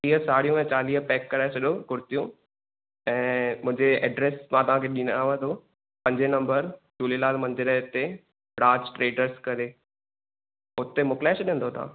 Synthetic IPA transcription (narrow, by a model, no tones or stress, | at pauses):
iːɦəsaːɽijũɛ̃t͡ɕaːliːɦpɛːkːɐɾaːɪsɐɗokʊɾɪt̪ijũ | ɛ̃ːmʊ̃ɦɪ̃ɲd͡ʑeɛ̰ːɖɾeːsmãt̪ɐʋ̤ãkʰeɗinaʋə̃nd̪o | pɐ̃ɲd͡ʑenɐ̃mbəɾd͡ʑuːlilaːlmɐ̃ɲd̪ɪɾəɪt̪e | bɾãːt͡ɕʈɾeːɖəɾskɐɾe | ʊt̪emʊklaːɪsɗĩə̃nd̪ot̪ʰa̰ː